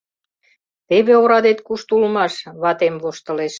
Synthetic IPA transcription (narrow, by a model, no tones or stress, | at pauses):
t̪eβeoɾɑd̪et̪kuʃt̪ulmɑʃβɑt̪emβoʃt̪ə̆leʃ